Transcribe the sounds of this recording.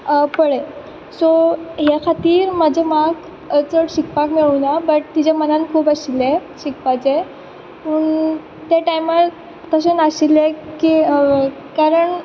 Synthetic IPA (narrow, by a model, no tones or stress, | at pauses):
pəɽe | soɦekʰat̪iːɾməd͡ʑʱemaɡ | ət͡səɽɕikpakmeɭunabəʈ̚t̪id͡ʑamənankʰuːpaɕileɕikpat͡se | pəɳ | t̪jaʈajməɭ | t̪əɕenaɕileki | kaɾəɳ